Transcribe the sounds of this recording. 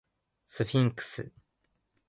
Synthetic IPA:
sɨɸʲĩŋkɯ̥sɨ̰

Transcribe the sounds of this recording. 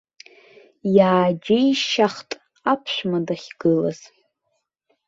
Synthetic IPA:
jaːd͡ʒeiʃaχtʼ | apʰʃʷᶣmadaχʲɡ̥ɨla̰z̥

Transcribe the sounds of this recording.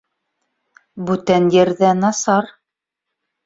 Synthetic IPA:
bʉt̪ænjɘ̆ɾðænɑsɑɾ

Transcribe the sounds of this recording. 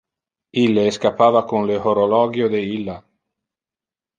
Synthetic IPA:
ilːeːskapːaːvakonlehoɾolɔːɡjod̪eilːa

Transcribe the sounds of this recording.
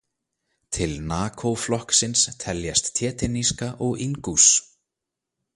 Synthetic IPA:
t̪ʰɪlnaːkʰowflɔhksɪnst̪ʰɛljast̪ʰːjɛːt̪ɪniskaʔɔɣiŋkus

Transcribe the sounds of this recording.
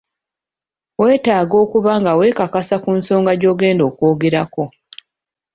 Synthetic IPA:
we̞ːtaːɡo̞ːkuβaŋɡawe̞ːkakasakuːnso̞ːŋɡaɟo̞ːɡe̞ːndo̞ːkoːɡe̞ɾako̞

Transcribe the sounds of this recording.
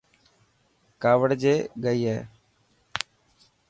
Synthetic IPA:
kaːʋəɽd͡ʒeːɠəiːɦɛː

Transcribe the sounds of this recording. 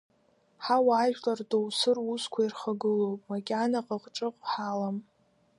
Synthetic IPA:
ħawaːʒʷᶣlardowsɨruskʷʰairχaɡɨlowpʼmakʲʼanaqʼəqʼʈ͡ʂʼɨqʷʼħalam

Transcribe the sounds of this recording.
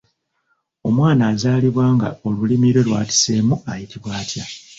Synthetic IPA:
o̞mwaːnaːzaːliβwaːŋɡa̰o̞lulimiɾwe̞lwaːti̥se̞ːmuajiciβwaːtja

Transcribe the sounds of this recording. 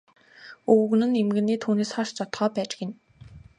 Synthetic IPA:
ɵwɣɘ̆nɘ̆nemɡɘ̆niːt̪ʰuːneːsχɔʃt͡ɕʰɔt̪χœːpæːt͡ɕɪ̥̆kɪ̆n

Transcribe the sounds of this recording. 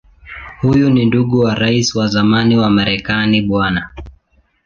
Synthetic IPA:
hujuninduɠuwaɾaiswazamaniwamaɾɛkaniɓwana

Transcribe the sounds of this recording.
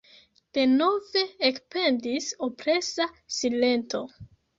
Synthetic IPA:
d̥e̞no̞ve̞ːkspe̞ndisopɾe̞sasile̞nto̞

